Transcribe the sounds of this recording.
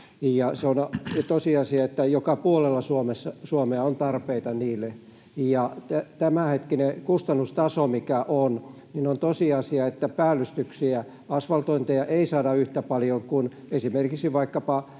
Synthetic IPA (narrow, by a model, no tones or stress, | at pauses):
jɑseont̪osiɑsiɑet̪ːæjokɑpuolelːɑsuomesːɑsuomeɑont̪ɑrpeit̪ɑniːlːe | jɑt̪æt̪æmæhet̪kinekust̪ɑnːust̪ɑsomikæʔon | ninont̪osiɑsiɑet̪ːæpæːlːyst̪yksiæ | ɑsʋɑlt̪oint̪ejɑʔeisɑːdɑyht̪æpɑljoŋkun | esimerkiksiʋɑikːɑpɑ